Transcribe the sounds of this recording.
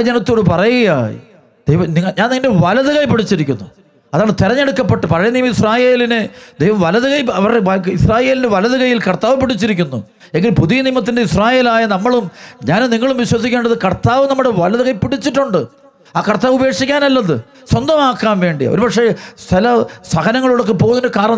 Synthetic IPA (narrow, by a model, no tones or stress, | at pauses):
ɐd͡ʑɐnɐt̪ːo̞ːɽɨpɐrɐjuɣɐja̰ː | d̪̥ejʋɐniŋːɐɲaːniŋːɐnde̞ʋɐlɐðɨɣɐjpiɽit͡ɕːiɾikʲːunːu | ɐðaːɭt̪irɐɲːe̞ɽukːɐpːeʈːɨpɐrɐjɐniːmɐisraːje̞ːlinɨd̪ejʋɐmʋɐlɐðɨɣɐjɐʋɐrɐisraːje̞ːlindeʋɐlɐðɨɣɐjilkɐrt̪aːʋɨpːiɽit͡ɕːiɾik̬ʲːunːṵ | eŋɡilpuðijɐniːmɐt̪̬ːindeisraːje̞ːlaːjɐnɐmːɐɭumɲaːnniŋːɐɭumʋiɕwɐsikʲːeːɳɖɐðɨkɐrt̪aːʋɨnɐmːuɽeʋɐlɐðuɣɐjpiɽit͡ɕːiʈːuɳɖɨ | aːkɐrt̪aːʋube̞ːkʂikʲːaːnɐlːɐðɨ | swɐnd̪ɐmaːkːaːnʋe̞ːɳɖij̰oɾubɐkʂe̞sʰɐlɐsɐɣɐnɐŋːɐɭuɽɐk̬ːɨpoːɣndekaːɾɳɐ